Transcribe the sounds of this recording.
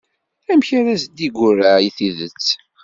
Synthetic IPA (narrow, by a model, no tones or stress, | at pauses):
æmçaɾæsd̪iɡʷʊræiθiðət͡sː